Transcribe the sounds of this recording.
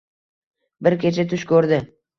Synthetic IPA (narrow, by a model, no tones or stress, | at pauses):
bɪɾkʲʰet͡ʃʰat̪ʰʊʃkʲʰɵɾd̪ɪ